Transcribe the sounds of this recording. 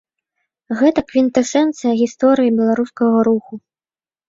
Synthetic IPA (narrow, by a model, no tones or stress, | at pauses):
ɣɛt̪ɐkvʲint̪ɛsɛnt̪sɨjɐɣʲist̪ɔɾɨjibʲɛlˠaɾuskɐɣɐɾuxu